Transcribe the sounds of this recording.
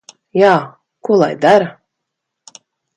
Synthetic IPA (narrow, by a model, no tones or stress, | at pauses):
jaː | kulˠa̰jd̪aɾa